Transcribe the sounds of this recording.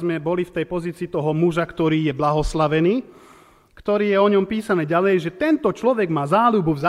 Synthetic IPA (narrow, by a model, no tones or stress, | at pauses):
zmɛbɔlift̪ɛjpɔziːt͡siːt̪ɔɦɔmuʒakt̪ɔɾiːjɛblaɦɔslaʋɛniː | kt̪ɔɾiːjɛɔɲɔmpiːsanɛːɟalɛjʒɛt̪ɛnt̪ɔt͡ʃlɔʋɛɡmaːzaːlubuvza